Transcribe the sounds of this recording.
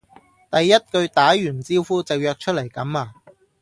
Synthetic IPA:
t̪ɐ˨jːɐ˥t̚kɵ˧ɥt̪aː˨˥jyː˨˩nt͡siː˥wfuː˥t͡sɐ˨˧wjœː˨˧k̚t͡ʃʰt̚lɐ˨˩jkɐ˨˥maː˧

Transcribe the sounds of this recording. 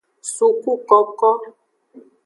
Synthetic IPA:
su˨ku˦kɔ˨kɔ˦

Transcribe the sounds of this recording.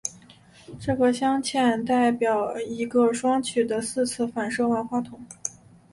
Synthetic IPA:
ʈ͡ʂɤ˥˩ɡə˩ɕjɑ˥ŋt͡ɕʰjɛ˥˧nt̪a˥˩ɪpjɑ˨˩ʊi˧˥ɡə˧ʂwɑ˥ŋt͡ɕʰy˨˩d̪ə˦sɹ̩˥˧t͡sʰɹ̩˥˩fa˨˩nʂɤ˥˧wa˥˧nxwa˥t̪ʰʊ˧˩˦ŋ

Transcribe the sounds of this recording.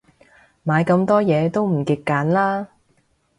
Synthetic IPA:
maː˨˧jkɐ˧mt̪ɔː˥jɛː˨˧t̪o˥wm̩˨˩kɪ˨kːaː˨˥nlaː˥

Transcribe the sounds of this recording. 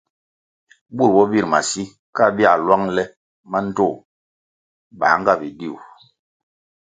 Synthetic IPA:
bu˦ɾbɔ˦bi˦ɾma˨si˦ | ka˦˨bi˦a˨lwa˦ŋlɛ˦ | ma˦n̩˦tɔ˦˨ | ba̰ː˨˦ŋ˦ɡa˦˨bi˨di˦˨u˨

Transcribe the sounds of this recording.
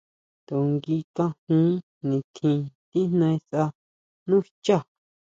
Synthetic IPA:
t̪o˨ŋɡi˧kã˧hũː˦ | nĩ˨t̪ʰĩ˧t̪i˦nnã˧ĩ˧sʔa˧ | nũ˦˧t͡ʃa˦˨

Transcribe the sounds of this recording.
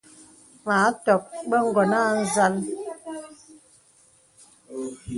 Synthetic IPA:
maː˨˦tɔ˨k̚bə˦ŋ̩˦ɡɔ˨naː˦˨n̩˦za˦l

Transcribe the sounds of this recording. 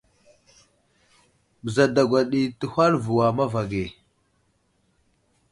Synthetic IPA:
bə˨za˨da˨ɡʷa˨ɗi˨tə˨hʷa˦ɾvu˨wa˨ma˦va˨ɡe˨

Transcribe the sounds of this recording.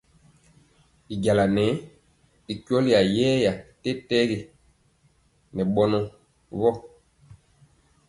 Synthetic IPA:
i˨ɟa˨la˨nɛ˨˦ | i˨kɔ˦li˦ja˨jɛː˦ja˨tɛ˦tɛ˦ɡe˨ | nɛ˨ɓɔ˦nɔ˨ | βɔ˦

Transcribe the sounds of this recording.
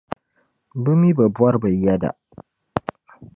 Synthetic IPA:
bə˦mi˦bə˨bu˦wa˦ɾbə˨i˦ja˦da̰˨ʔ

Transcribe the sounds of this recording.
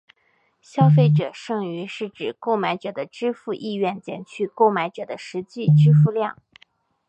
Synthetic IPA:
ɕjɑ˥ʊfe˥˩ɪʈ͡ʂɤ˨˩ʂɤ˥˩ŋy˧˥ʂɻ̩˥˩ʈ͡ʂɻ̩˨˩ko˥˩ʊma˧˥ɪʈ͡ʂɤ˨˩d̪ə˦ʈ͡ʂɻ̩˥fu˥˧ʔi˥˧ɥɛ˥˩nt͡ɕjɛ̰˨˩nt͡ɕʰy˥˧ko˥˩ʊma˧˥ɪʈ͡ʂɤ˨˩d̪ə˦ʂɻ̩˧˥t͡ɕi˥˩ʈ͡ʂɻ̩˥fu˥˧ljɑ˥˩ŋ

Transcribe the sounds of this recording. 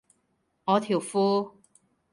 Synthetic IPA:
ŋɔː˨˧t̪ʰiː˨˩wfuː˥

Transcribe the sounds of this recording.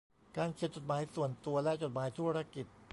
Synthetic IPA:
kaː˧nkʰi˨˩t̪̚t͡ɕo˨˩t̪̚maː˩˦jsu˨˩ənt̪u˧ɐlɛ˦˥ʔt͡ɕo˨˩t̪̚maː˩˦jt̪ʰu˦˥ɾa˦˥ki˨˩t̪̚p

